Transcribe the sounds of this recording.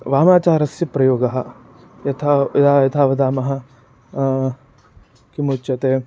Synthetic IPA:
ʋaːmaːt͡ʃaːɾɐsjɐpɾɐjoːɡɐɦɐ̆ | jɐt̪ʰaɐd̪aːjɐt̪ʰaːʋɐd̪aːmɐɦɐ̆ | kimuːtːt͡ʃɐt̪eː

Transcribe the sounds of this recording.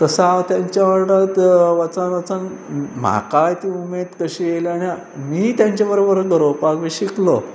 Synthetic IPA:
t̪əsaʋt̪jaɲt͡ɕjaʋaɾʈat̪ʋat͡sanʋat͡sanm̤a̰kajt̪ĩumed̪kəɕijelanja | miːt̪jaɲt͡ɕabəɾobəɾɡʱəɾowpakʋiɕiklo̰

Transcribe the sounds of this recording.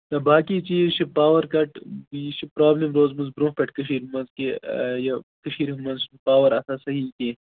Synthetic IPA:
nɐbaːkiːt͡ʃiːʃʰipaːʋɐɾkɐʈbiːʃʰipɾaːblimɾoːzmɐzbɾũːpɐʈkɐʃiːɾmɐnzkejɐkɐʃiːɾmɐnzpaːʋɐɾɐsasɐɦiːkeː

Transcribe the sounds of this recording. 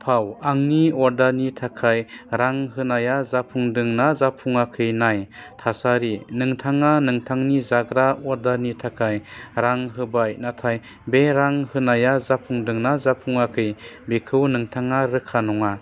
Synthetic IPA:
pʰawaŋniɔɾdanitʰakʰajɾaŋɦɯnajazapʰuŋdɯŋnazapʰuŋakʰɯjnajtʰasaɾinɯŋtʰaŋanɯŋtʰaŋnizaɡɾaɔɾdanitʰakʰajɾaŋɦɯbajnatʰaj | beɾaŋhɯnajazapʰuŋdɯŋnazapʰuŋakʰɯjbekʰɯwnɯŋtʰaŋaɾɯkʰanɔŋa

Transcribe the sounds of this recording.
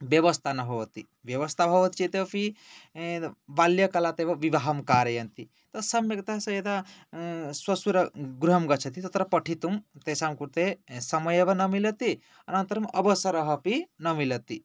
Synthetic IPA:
ʋjɐʋɐst̪ʰanɐɦoʋɐt̪i | ʋjɐʋɐst̪ʰabʱɐʋɐt̪t͡ʃit̪epʰi | ʋaljɐkɐlat̪eʋɐʋiʋaɦɐmkaːɾɐjɐnt̪i | t̪ɐsɐmjɐɡ̚t̪asɐjet̪a | swɐsuɾɐɡɾɦɐmɡɐt͡ʃʰɐt̪it̪ɐt̪ɾɐpɐʈʰit̪umt̪esamkuɾt̪esɐmɐjebɐnɐmilɐt̪i | ɐnɐnt̪ɐɾɐmɐbɐsɐɾɐɦɐpinɐmilɐt̪i

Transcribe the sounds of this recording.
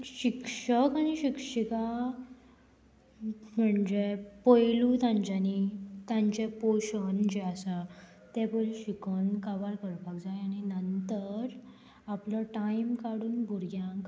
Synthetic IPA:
ɕikʂəkañiɕikʂika | m̤əɳd͡ʑepəjlũt̪ãɲt͡ɕanit̪jãɲt͡ɕepoɕənd͡ʑeasa | t̪ɛpəjlɕikənkaʋaɾkəɾpakd͡zajañinənt̪əɾ | aplɔʈaimkaɽuːnbʱuɾɡjãk

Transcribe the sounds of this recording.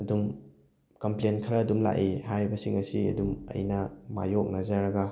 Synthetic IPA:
ɐdum | kɐmplenkʰɾɐːdumla̰ʔihajɾibɐsiŋɐsiɐ̰dumɐ̰jnɐma̰jok̚nɐzɐɾɐɡɐ

